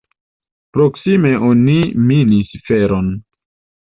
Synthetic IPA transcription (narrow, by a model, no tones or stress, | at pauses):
pɾoksime̞ʔoniminisfeɾon